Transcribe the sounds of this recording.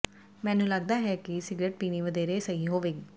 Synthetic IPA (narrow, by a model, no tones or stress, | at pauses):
mɛ̃ːnũːləɡ̚d̪aːɦɛːkɪsɪɡɾeːʈ̚piːniːʋəd̪eːɾeːsəiːɦoːʋeːɡ